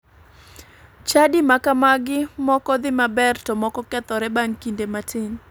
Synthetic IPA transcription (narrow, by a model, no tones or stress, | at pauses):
t͡ʃadɪmakamaɡɪmɔkɔd̪ɪmabɛrtɔmɔkɔkɛt̪ɔɾɛbaŋkindematʰɪn